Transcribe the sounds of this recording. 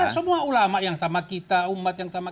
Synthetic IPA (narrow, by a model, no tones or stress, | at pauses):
səmuaulamaʔjaŋsamakit̪aumat̪̚jaŋsama